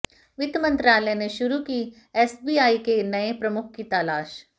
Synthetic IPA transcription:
ʋɪd̪mɐ̃nt̪ɾaːləjneʃʊɾukiː | ɛːsbiːaːikenɐepɾɐmʊk̚ʰkit̪aːlaːʃ

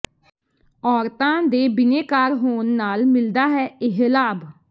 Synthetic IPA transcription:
ɔːɾt̪ãːd̪eːbɪneːkaːɾɦoːnːaːlmɪld̪aːɦɛːɪɦelaːb

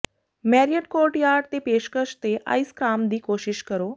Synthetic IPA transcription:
mɛɾijəʈkoɾʈjaɾɖt̪epeʃkəʃt̪eʔa̰jskɾamd̪iːkoɕiʃkəɾo

